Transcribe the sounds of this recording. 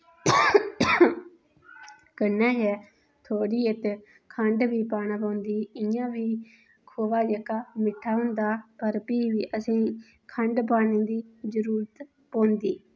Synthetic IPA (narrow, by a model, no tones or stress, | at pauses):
kənːɛ̃ːd͡ʒɛː | t̪ʰoːɽiːet̪ː | kʰəɳɖbiːpaːnaːp̬ãːnd̪iːɪjãːʋiː | kʰoːʋaːd͡ʒeːkaːmɪʈʰaːɦʊ̃nd̪aːpəɾpiːʋiːʔəsĩː | kʰəɳɖpaːneːd̪iːzəɾuːɾət̪ | põːnd̪iː